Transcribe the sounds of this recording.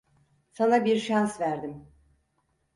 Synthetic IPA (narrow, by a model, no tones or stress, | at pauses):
sanabiɾʃansvæɾd̪im